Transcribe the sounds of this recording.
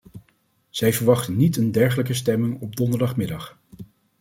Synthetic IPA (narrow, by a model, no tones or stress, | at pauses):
z̥ɛjvəɹʋɑχtənːitəndɛɹχələkəstɛmɪŋɔb̚dɔndəɹdɑχmɪdɑχ